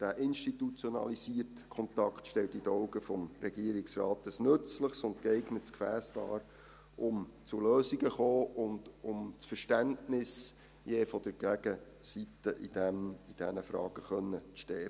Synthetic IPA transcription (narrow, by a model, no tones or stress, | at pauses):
d̥æʔɪnʃtitut͡sjonɑ̰lisiːrtəkʰɔnt̪ɑkχtʃtɛltdidowɡəfɔmɾɛɡiːəɾiksrɑ̰ːtəsnɵt͡sləχsʊntkɛɪɡnətskfæːstɑ̰ːɾ | ʔʊmt͡suløːsiɡəχoːʔʊnd̥ʊmt͡sfəɾʃtæntnɪs | jeːfɔd̥əɾɡ̥æɡ̥ə | sitəʔid̥æmid̥ænəfɾɑ̰ːɡ̥əχœnːəʃtɛː